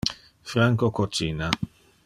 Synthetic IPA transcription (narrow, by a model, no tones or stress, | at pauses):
fɾaŋkokot͡ʃiːna